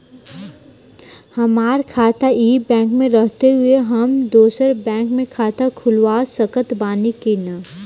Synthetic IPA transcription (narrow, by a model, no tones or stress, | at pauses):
hɐmaːɾkʰaːt̪aʔiːbɛ̃ːŋkmẽɾəɦt̪eɦʊeɦɐmd̪oːsəɾbɛ̃ːŋkmẽkʰaːt̪akʰʊlwaːsəkət̪baːnikena